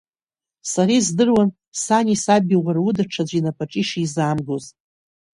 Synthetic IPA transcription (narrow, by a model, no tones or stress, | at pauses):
saɾizdɨrwan | sanʲisabʲiwʷarudaʈ͡ʂʰad͡ʑʷinapʰaʈ͡ʂʼiʂizaːmɡoz